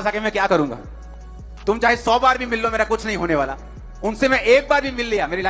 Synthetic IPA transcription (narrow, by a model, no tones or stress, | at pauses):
saːkemɛ̃kjaːkɐɾũŋɡa̰ː | t̪ʊmt͡ʃaːɦesɔːbaːɾbʱimɪlːomeːɾakʊt͡ʃʰnɐɦĩɦoːneʋaːla̰ː | ʊnsemɛ̃ʔeːk̚baːɾbʱimɪlːijaːmeːɾila